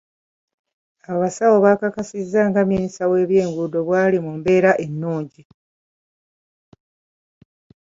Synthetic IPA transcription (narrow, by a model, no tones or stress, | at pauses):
aβasawo̞βaːkakasizːaːŋɡaminisawe̞ːβje̞ːŋɡudo̞βwaːlimumbe̞ːɾaʔenːuːɲɟi